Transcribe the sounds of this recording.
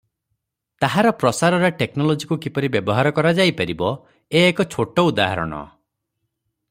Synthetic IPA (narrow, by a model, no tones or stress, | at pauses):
t̪aɦaɾɔpɾɔsaɾɔɾaʈeknɔlod͡ʒikukipɔɾibjebɔɦaɾɔkɔɾad͡ʒajpaɾibɔ | eːkɔt͡ʃʰoʈɔud̪aɦa̰ɾɔ̰ɽ̃ɔ̰